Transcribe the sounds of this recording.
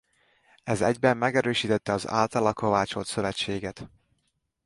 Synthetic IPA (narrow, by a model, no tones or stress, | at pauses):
ɛzɛ̰ɟbɛmːɛɡɛɾøːʃiːt̪ɛt̪ːɛɒza̰ːlt̪ɒlɒko̞vaːt͡ʃo̞t̪søvɛt͡ʃːeːɡɛt̪